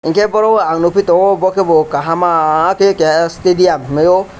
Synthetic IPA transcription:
iŋkʰebɔɾɔaŋnupʰitɔɔbɔkʰebɔkaɦamakekestediammejɔ

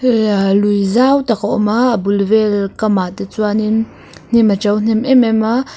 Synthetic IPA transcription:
lujzawt̪akaʔɔ̰mabulvɛlkamaʔt̪ɛt͡suanin | n̥imat͡ʃɐwn̥ɛmʔɛmɛma

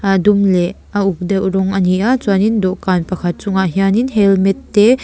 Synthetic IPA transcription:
dumlɛ | auk̚d̪aʔuɾɔŋɐniʔat͡swanindɔʔkanpakʰat̪̚t͡suŋaɦianinɦɛlmɛt̪ːe

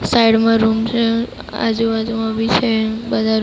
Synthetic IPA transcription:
saiɽmãɾumt͡ʃʰe | a̰d͡ʒuad͡ʒumãʋit͡ʃʰebəd̪ʱaɾ

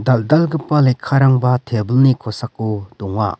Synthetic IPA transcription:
d̪ald̪alɡɯpːalekʰːaɾaŋbat̪ʰebəlnikʰɔsakːud̪ɔŋa̰

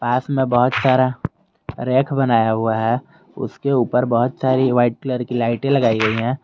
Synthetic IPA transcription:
paːsmẽbəɦʊt̪saːɾa | ɾeːkʰbənaːjaɦʊaɦɛ | ʊ̰skeuːpəɾbəɦʊt̪saːɾiʋaːɪʈ̚kləɾkilaːɪʈẽlɐɡaːiɡɐiɦɛ̃ː

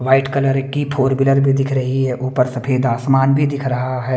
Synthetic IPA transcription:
ʋaːɪʈkɐləɾkipʰoːɾbɪləɾbʱid̪ɪkʰɾɐɦiɦɛʔʊːpəɾsɐpʰeːd̪aːsmaːnbʱid̪ɪkʰɾɐɦaɦɛː

